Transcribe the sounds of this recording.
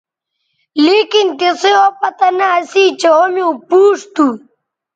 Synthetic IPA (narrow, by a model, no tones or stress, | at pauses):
likint̪isiopɐt̪ɐnaːsiːt͡ɕeomjõːpuːʂt̪u